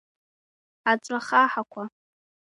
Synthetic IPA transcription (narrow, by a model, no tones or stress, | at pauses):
at͡sʷʼraχaħakʷʰa